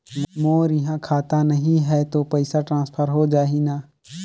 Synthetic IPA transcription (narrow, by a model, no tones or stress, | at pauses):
mmoːɾjɐɦãkʰaːt̪anɐɦĩɦɛt̪opɐɪsaʈɾãːspʰəɾɦod͡ʒaːɦinaː